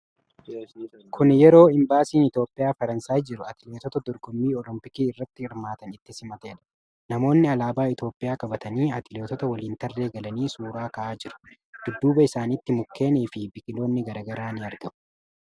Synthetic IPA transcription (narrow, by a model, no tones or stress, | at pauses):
kʰʊnjɛɾo̞ːɪmbaːsiːnɪt̪o̞ːpʼːɪjaːfɐɾɐnsaːjd͡ʒɪɾʊɐt̪ɪle̞ːt̪ɔt̪ɐd̪ɔɾɡɔmːiːɔlɪmpɪkiːɪrːɐt̪ːɪɪɾmaːt̪ɐnɪt̪ːɪsɪmɐt̪eːl | nɐmo̞ːnːɪɐlaːbaːɪt̪o̞ːpʼːɪjaːkʼɐbɐt̪ɐniːɐt̪ɪleːt̪ɔt̪ɐwɐliːnt̪ɐrːe̞ːɡɐlɐniːsuːɾaːkɐʔaːd͡ʒɪɾʊ̥ | d̪̥ʊd̪ːuːbɐɪsaːniːt̪ːɪmʊkʰːe̞ːniːfɪbɪkʼɪlo̞ːnːɪɡɐɾɐːɡɐɾaːnɪɐɾɡɐʔʊ̥